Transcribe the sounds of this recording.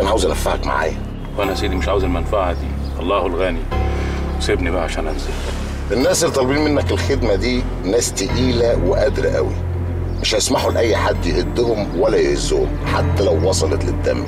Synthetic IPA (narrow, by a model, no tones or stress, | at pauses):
ʔænæʕaːwezʔænæfːaʕæ̰kma̰ʕa̰ːjæ | wʔænæhæsejːd̪imeʃʕaːwezælmænfaʕhæd̪iː | ʔɑlˤːɑːhelɣæːni | wesebnibæhæʕaʃæːnʔæmzel | ʔenːæːselːt̪ˤɑlbiːnmenːækelxed̪mæd̪iː | næːst̪eʔiːlæweʔæd̪ɾæ̰ʔæ̰wḭ | meʃhæjsmaħulʔæjːħad̪ːjeʔed̪ːʊhomwælːæjhezːo̰ːʊ̰m | ħat̪ːælæwːɑsˤɑlet̪led̪ːæ̰mː